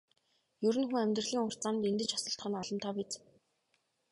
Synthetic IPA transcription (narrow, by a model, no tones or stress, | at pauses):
jɵɾɘ̆nxuŋæmʲt̪rə̆ɮiːŋʊr̥t͡samt̪ent̪ɘ̆t͡ɕɔsɞ̆ɬt̪χə̆nɔɮɞ̆mt̪ʰɔːpit͡s